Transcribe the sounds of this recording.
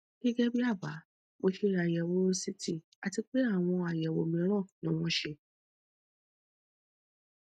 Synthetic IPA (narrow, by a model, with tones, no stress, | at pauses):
ɡ̥ɛ˦ɡɛ˦bi˦a˦˨ba˨˦ | mo˧ʃi˦ɾa˨jɛ˨wo˧˦si˦tʰi˦˨ | a˨ti˧k͡pe˦a˦˨w̃ɔ̃˧a˨jɛ˨wo̰˧˦mĩ˧˦ɾ̃ɔ̃˦˨nĩ˦w̃ɔ̃˦ʃe˧